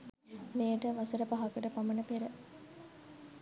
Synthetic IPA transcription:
mejəʈəʋɐsəɾəpaɦɐkəʈəpamɐnəpeɾə

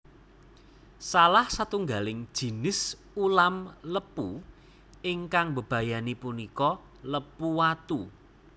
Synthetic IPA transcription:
salahsat̪uŋɡalɪŋd̥ʒ̥i̤nɪs | ulamləpu | ɪŋkaŋbə̤b̥ä̤janipunikɔ | ləpuwat̪u

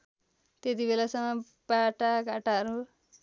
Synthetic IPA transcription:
t̪et̪ibelasʌŋʌ | baʈaɡaʈaɦʌɾu

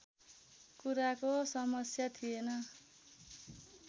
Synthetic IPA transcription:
kuɾakosʌmʌsjat̪ʰienʌ

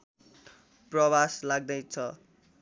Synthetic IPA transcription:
prʌbaslaɡ̚d̪ʌjt͡sʰʌ

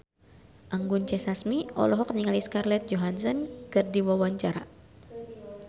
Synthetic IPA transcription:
ʔaŋɡunt͡ʃɛsasmiʔɔ̰lɔɦɔk̚niŋaliskarlɛt̪̚d͡ʒoɦansɔnkɨrdiwawaɲt͡ʃaɾa̰

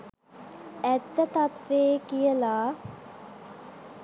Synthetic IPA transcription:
æt̪ːət̪at̪ʋeːkijəlaː

